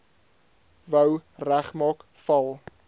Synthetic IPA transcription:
vəwræχmɑːk | fɐlˠ

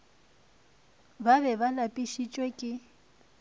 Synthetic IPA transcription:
baβɛβalapʼiʃit͡ʃʼwekʼɪ

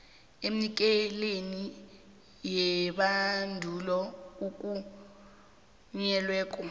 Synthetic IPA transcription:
eminik̬ʼɛleni | jɛɓandʱulɔuk̬ʼu | ɲɛlwɛːkʼɔ

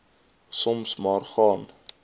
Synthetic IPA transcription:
sɔmsmɑːrχɑːn

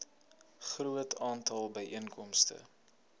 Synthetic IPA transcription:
χruətʰɑːntɐlˠbəjʔiənkʰɔmstə̰

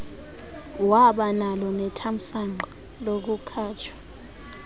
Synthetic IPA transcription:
waɓanalɔnɛtʰam̩saŋ͡ǃʱa | lok̬ukʰaːt͡ʃʰḁ

